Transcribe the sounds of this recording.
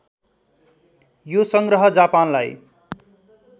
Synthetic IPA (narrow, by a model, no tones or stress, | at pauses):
josʌŋɡrʌɦʌd͡zapanlaj